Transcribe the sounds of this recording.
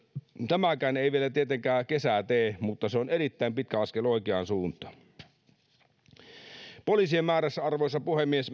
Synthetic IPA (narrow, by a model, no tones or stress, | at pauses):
t̪æmækæːneˑiʋielæt̪iet̪eŋkæːkesæt̪eːmut̪ːɑseoneɾit̪ːæˑimpit̪̚kæɑskeloˑikeɑ̰nsuːnt̪ˑɑ̥ | polisiemmæːɾæsːɑrʋoˑisːɑpuhemːies